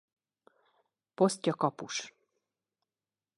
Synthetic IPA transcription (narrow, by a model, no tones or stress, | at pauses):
po̞st̪jɒkɒpuʃ